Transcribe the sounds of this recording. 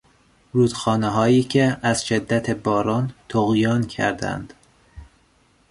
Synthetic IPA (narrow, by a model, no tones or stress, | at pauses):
ɾuːd̪̥xɒːneɦɒːjiːcʰeæz̥ʃed̪ːæt̪ʰebɒːɾɒːnt̪ʰoɣjɒːncʰæ̰ɾd̪æ̰nd̪̥